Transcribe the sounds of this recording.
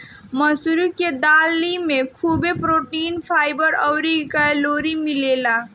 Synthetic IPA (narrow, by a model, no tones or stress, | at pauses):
məsuɾuked̪alimekʰubepɾoːʈiːnpʰaːjbəɾəwɾikaloːɾimilela